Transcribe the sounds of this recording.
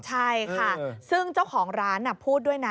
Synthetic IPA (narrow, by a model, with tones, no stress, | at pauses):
t͡ɕʰa˥˩jkʰa˥˩sɯ˥˩ŋt͡ɕa˥˩wkʰɔː˩˦ŋɾaː˦˥nːa˨˩pʰuː˥˩t̪̚du˥˩əjna˦